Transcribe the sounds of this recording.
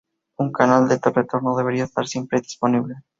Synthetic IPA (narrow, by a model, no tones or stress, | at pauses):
uŋkanald̪et̪oret̪oɾnoðeβeɾiaest̪a̰ɾsje̞mpɾeðisponiβle